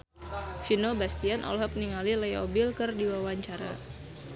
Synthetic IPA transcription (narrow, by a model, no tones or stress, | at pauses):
finobast̪ianʔɔ̰lɦɔp̚niŋalilajɔbilkɨrdiwawaɲt͡ʃaɾa̰